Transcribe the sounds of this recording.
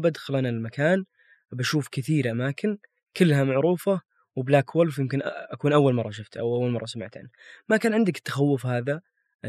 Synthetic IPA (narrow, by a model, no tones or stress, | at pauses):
bad̪xʊlanalmakaːn | baʃuːfkɪθiːɾʔamaːkɪn | kɪlːhamaʕɾuːfa | wɪblaːkʰwʊlfjɪmkɪnʔakuːnʔawːalmɑrˤːɑʃʊft̪ʔa̰wawːalmɑ̰rˤːɑsama̰ʕt̪ʰa̰ːnmakaːnʕɪnd̪akɪ̥t̪ːḁxawːʊfhaːða